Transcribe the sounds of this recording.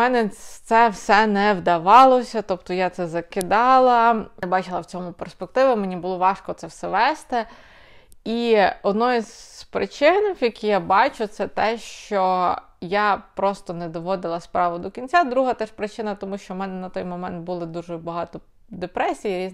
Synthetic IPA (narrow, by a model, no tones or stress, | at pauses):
mɛnɛt̪sɛwsɛnɛwd̪ɐʋɑlˠɔsʲɐt̪ɔp̚t̪ɔjat̪sɛzɐkɪd̪ɑlˠɐbɑt͡ʃɪlˠɐwt͡sʲɔmʊperspek̚t̪ɪʋɪmenʲibʊlˠɔʋɑʃkɔt̪sɛwsɛʋɛst̪ɪ | iɔd̪nɔjizpɾɪ̰t͡ʃɪnjɐkʲijabɑt͡ʃʊt̪sɛt̪ɛʃt͡ʃɔ | japɾɔst̪ɔnɛd̪ɔʋɔd̪ɪlˠɐspɾɑʋʊd̪ɔkʲinʲt͡sʲad̪ɾuɦɐt̪ɛʃpɾɪt͡ʃɪnɐt̪ɔmuʃt͡ʃɔmɛnɛnɐt̪ɔjmɔmɛ̰nt̪̚bʊlˠɪd̪uʒɛbɐɦɑt̪ɔ | d̪epɾɛsʲijiɾʲiz